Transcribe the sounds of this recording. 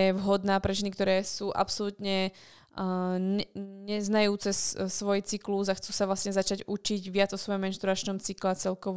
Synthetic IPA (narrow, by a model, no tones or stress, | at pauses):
ɛʋɦɔd̪naːpɾɛʒɛnik̚t̪ɔɾɛːsuːʔa̰psɔlut̪ɲɛ | ɲɛɲɛznajuːt͡sɛssʋɔjt͡sikluzaxt͡suːsaʋlasɲɛzat͡ʃaɟut͡ʃiɟʋɪad͡zɔsʋɔjɔmɛnʃt̪ɾuɾat͡ʃnɔmt͡siklɛt͡sɛlkɔʋ